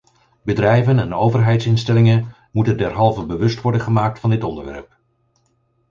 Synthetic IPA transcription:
bədrɛjvənɛnowvəɹɦɛjtsɪnstɛlɪŋən | mutəndɛɹɦɑlˠvəbəʋɵstʋɔɹdənχəmaːk̚tfɑndɪtɔndəɹʋɛ̰ɹp̚

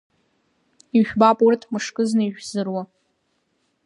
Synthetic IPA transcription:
iʒᶣbapʼʊrtʰmɨʂkʼɨznɨiʒᶣzɨrwa

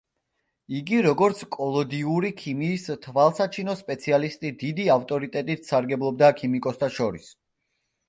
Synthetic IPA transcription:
iɡiɾɔɡɔɾt̪sʰkʼɔlˠɔd̪iuɾikʰimiːst̪ʰvalˠsat͡ʃʰinɔspʼɛt̪sʰialist̪ʼid̪id̪iaft̪ʼɔɾit̪ʼɛt̪ʼit̪ʰsaɾɡɛblˠɔb̚d̪akʰimikʼɔst̪ʰaʃɔɾis

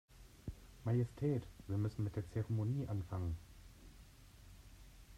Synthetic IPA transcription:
majɛstʰɛːtv̥iːɐmʏsn̩mɪt̚d̥eːɐt͡sɛʁemoniːʔanfaŋən

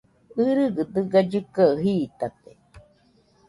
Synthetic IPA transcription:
ɨɾɨɡɨd̪ɨɡad͡ʒɨkaɦiːt̪at̪e

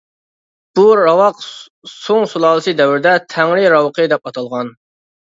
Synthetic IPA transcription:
b̥uɾɑwɑq | soŋsulˠɑːlˠɨsɨd̪ɛwɾɪd̪ɛt̪ʰɛŋɾɪɾɑwqʰɨd̪ɛpɑt̪ʰɑlˠʁɑn

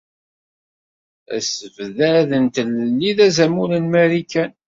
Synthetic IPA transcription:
æ̰səvðæðənt̪ələlːiðæzæmulənmæɾikːæn

